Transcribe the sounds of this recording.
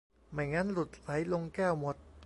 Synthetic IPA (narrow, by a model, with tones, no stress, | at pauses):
ma˨˩jŋa˦˧˥nlu˨˩t̪̚ɾa˩˦jlo˧ŋkɛː˥˩wmo˨˩t̪̚